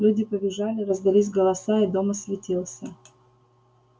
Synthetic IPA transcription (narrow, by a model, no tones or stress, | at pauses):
lʲudʲɪpəbʲɪʐalʲɪɾəzd̪ɐlʲis̬ʲɡəlˠɐsaid̪o̞mɐsvʲɪtʲilˠsʲə